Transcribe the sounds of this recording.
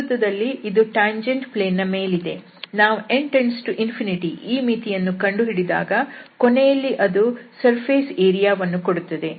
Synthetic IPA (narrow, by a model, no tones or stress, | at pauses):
t̪ːɐd̪ɐlːiʔid̪uʈaːɲd͡ʒeɳɖpleːnːɐme̞ːlid̪e̞ | naːʋuʔeɳʈɐɾnsʈuʔinpʰiniʈiiːmiːt̪ijɐnːukɐɳɖuɦiɽid̪a̰ːɡɐkɔnɛjɐlːiʔɐd̪usɐɾpʰeːseːɾijaːʋɐnːukoɽut̪ːɐd̪e̞